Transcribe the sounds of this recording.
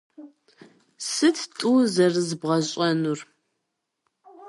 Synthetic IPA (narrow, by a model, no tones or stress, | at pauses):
sɨtʰtʼuzɐrɨzbʁɐɕʼɐnur